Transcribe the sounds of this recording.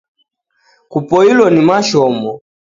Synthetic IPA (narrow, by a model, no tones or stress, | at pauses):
kupɔilwɔnimaʃɔmbɔ